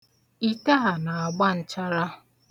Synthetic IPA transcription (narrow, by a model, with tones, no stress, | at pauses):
i˦ta˦ɦa˨na˨a˨ɡ͡ba˦n̩˨t͡ʃa˦ɾa˦˨